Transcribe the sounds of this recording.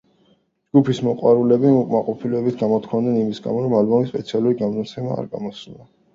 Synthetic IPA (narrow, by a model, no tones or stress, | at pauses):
d͡ʒɡupʰismɔqʼwaɾulɛbiukʼmaqʼɔpʰilɛɛbit̪ʰɡamɔt̪ʰkʰavnɛnimisɡa̰mɔɾɔmalbɔmispʼɛt̪sʰialˠuɾiɡamnat̪sʰɛma̰ːɾɡa̰mɔsuna